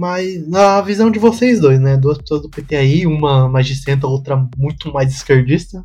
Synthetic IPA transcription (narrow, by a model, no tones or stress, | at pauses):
majzɐavizɐ̃w̃d͡ʒɪvosejzd̪ojznɛd̪uɐspe̥soɐzd̪ʊpet̪ẽj̃ɐiũmɐmaʒisẽnt̪̬ɐowt̪ɾɐmũj̃t̪ʊmajzɪskeɾd͡ʒist̪ɐ